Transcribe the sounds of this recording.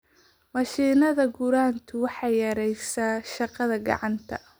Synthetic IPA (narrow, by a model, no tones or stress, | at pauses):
mɑʃiːnɐðɐɡʊɾaːnt̪ʰʊwɑħɑjjɐɾɛjsaʃɑqɐðɐɡɑ̰ʕɑnt̪ʰɐ̰